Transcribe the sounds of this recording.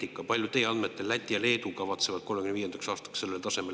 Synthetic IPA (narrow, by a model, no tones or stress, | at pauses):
ikːˑɑpɑlʲjut̪e̞jeɑnd̪me̞t̪ːˑelːæt̪ʲːˑiɑle̞ːt̪ukɑvɑt̪se̞vɑd̪̥̚ko̞lmekyneiːje̞nd̪ɑksɑːst̪ɑ̥ksse̞lːelt̪ɑse̞me